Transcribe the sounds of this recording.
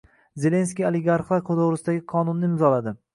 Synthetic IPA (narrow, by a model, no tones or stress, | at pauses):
ze̞le̞nskʲijaleɡaɾχlˠaɾkʰod̪owɾɪsɪd̪aɡʲɪqʰɒnʊnːɪɪmzɒlad̪ɪ